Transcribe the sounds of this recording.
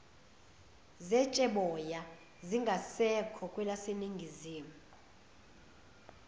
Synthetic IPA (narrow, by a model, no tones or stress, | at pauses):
zɛt͡ʃʼɛɓɔja | ziŋɡʱasɛkʰɔkʼwɛlaseniŋɡʱiziːmuu